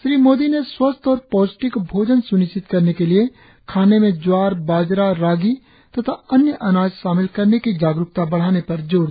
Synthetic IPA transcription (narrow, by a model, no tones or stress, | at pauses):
ʃɾiːmoːd̪ineswɐst̪ɔːɾpɔːd͡ʒʈɪkbʱoːd͡ʒənsʊnɪʃt͡ʃɪt̪kɐɾnekelɪe | kʰaːnemẽd͡ʒwaːɾbaːd͡ʒɾaɾaːɡi | t̪ɐt̪ʰaɐnjəʔɐnaːd͡ʒʃaːmɪlkɐɾnekid͡ʒaːɡɾʊkt̪abɐɽ̤aːnepɐɾd͡ʒoː